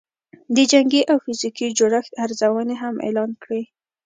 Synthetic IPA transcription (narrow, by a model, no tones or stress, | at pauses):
d̪əd͡ʒaŋɡiʔawfɪzikid͡ʒʊɽəxt̪aɾzawəneɦamʔḛlɑnkɽi